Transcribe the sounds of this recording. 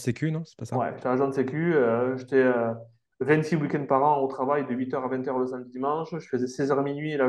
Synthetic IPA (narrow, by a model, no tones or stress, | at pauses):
sekʲynɔ̃sɛ̥pasawɛ̰ʒt̪ɛaʒwɛ̃d̪sekʲyøʒet̪ɛø | vɛ̃nt̪siwikʲɛ̃nd̪̚paʁɑ̃ot̪χavajd̪əɥit̪œʁavɛ̃t̪œʁləsamd̪id̪imɑ̃ʃʒəfəzɛsɛzœʁminɥiela